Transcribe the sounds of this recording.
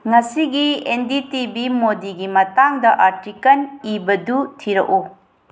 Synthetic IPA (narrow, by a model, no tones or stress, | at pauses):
ŋɐsiɡienditibimodiɡimɐtaŋdɐʔaɾtikɐnibɐdutʰiɾɐ̰ku